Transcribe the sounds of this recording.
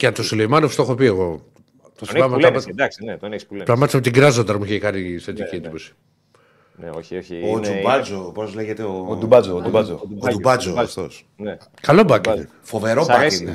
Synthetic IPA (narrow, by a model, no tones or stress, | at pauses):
cet̪osuleimɐnofst̪oxopieɣo̞ | t̪osɐmɐld̪ɐksinet̪onespulepɾɐmɐt̪isɐpot̪iɡɾɐzond̪ɐmuiçekɐniset̪icied̪ipo̞si̥ | neoiooubɐd͡zopozleʝet̪eod̪ubɐzd̪ubaod̪ubɐd͡zofθo̞̰s | ne | kɐlobɐkin | fo̞veɾobai